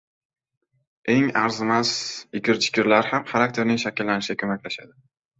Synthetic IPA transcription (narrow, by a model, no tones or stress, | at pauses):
e̞ŋaɾzɪmazɪkʲɪɾt͡ʃʰɪ̥kʲɪɾlaɾhamχaɾak̚t̪ʰe̞ɾnɪŋʃakʲɪlːanɪʃɡ̥ʲakʰɵmakʲlaʃad̪ɪ